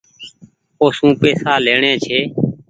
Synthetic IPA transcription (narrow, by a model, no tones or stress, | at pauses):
oːsũːpeːsaːleːɳẽːt͡ʃʰeː